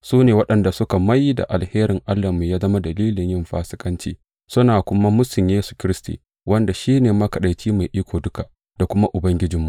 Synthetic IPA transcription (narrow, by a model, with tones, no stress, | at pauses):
suː˦neː˨wɐ˦ɗɐ˨nda˨sʊ˦ka˨ma˦jːi˦da̰˨ʔa˨lheː˦ɾɪ˨ŋʔa˦lːɐ˨mu˨jaː˦zɐ˦ma˦dɐ˨liː˦lɪ˨ɲjɪ˦mɸa̰ː˦sɪ̥˦kʼɐ˦nt͡ʃiː˦ | sʊ˦naː˨kʷʊ˦ma˦mʊ˦sɪ˨mjeː˦su̥˨kʲɪ˦ɾɪ˦stḭ˨ | wɐ˦nda˨ʃiː˦neː˨ma˦kɐ˨ɗa˨jt͡ʃiː˦ma˨jʔiː˦kʷoː˨dʊ˦ka˨ʔ | d̥a˨kʷʊ˦ma˦ʔʊ˨bɐ˦ŋɡʲɪ˦d͡ʒɪ˨mːu˨ʔ